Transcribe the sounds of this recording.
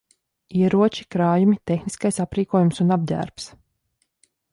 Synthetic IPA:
iɛɾuɔt͡ʃi̥kɾaːjumit̪exniskajsapɾiːkuɔjumsunab̚dʲæ̰ːɾps

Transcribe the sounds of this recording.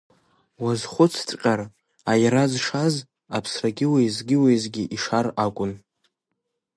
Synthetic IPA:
wazχʷʊt͡sʰtʼqʲʼar | ajaɾazʂaz | apʰsraɡʲɪwejzɡʲɪwejzɡʲɪʔiʂarakʷʼʊn

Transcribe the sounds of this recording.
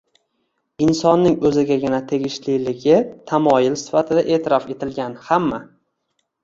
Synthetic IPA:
ɪnsɒnːɪŋɵzɪɡʲaɡʲɪnat̪ʰe̞ɡʲɪʃlɪlɪɡʲɪt̪ʰamɒjɪlsɪ̥fat̪ʰɪd̪aʔe̞ːt̪ʰɪɾɒfe̞t̪ʰɪlɡʲanhamːa

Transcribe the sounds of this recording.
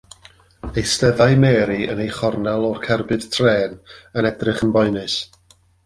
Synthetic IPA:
ejstɛvajmɛːɾiə̰nejχɔrnalˠɔrkʰɛrbɨd̥tʰreːnənɛdrɨχənbɔɨnɨs

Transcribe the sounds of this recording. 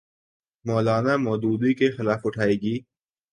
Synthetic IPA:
mɔːlaːnamɔːd̪uːd̪ikexɪlaːfʊʈʰaːeːɡiː

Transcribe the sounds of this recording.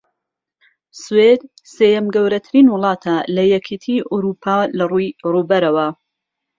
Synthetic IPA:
swed̪ | seːjɐmɡɐwɾɐt̪ʰɨɾiːnwʊlˠɑːt̪ʰalɐjɛkʰet̪ʰiʔuɾupʰaːlɐrujrubɐɾɐwɐ

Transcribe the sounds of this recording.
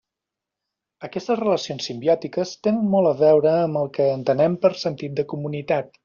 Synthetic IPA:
əkɛst̪əzrələsionsːimbiɔt̪ikəst̪enənmɔlˠəβɛwɾəːməlˠkəːnt̪ənɛmpəɾsənt̪it̪̚d̪əkumunit̪at̪̚

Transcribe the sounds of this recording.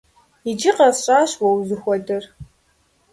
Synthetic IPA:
id͡ʒɪqɐɕʼaːɕwɐwzɨxʷɔdɨr

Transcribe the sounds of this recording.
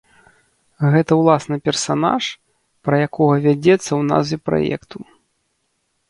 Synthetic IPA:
ɣɛt̪ɐwlˠasnɨpʲɛrsana̰ʂ | pɾɐjakɔɣɐvʲad͡zʲɛt̪sːɐwna̰zipɾa̰jɛ̰kt̪u

